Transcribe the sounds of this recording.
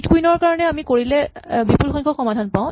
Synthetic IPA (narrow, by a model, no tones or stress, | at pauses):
tkuinɔɹkaɹɔnɛamikoɹilɛbipulxɔjŋkʰɔkxɔmadʱanpãw̃